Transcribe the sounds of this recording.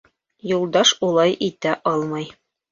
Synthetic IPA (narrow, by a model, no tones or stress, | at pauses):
julˠd̪ɑʃulˠɑjʔit̪æʔɑlˠmɑj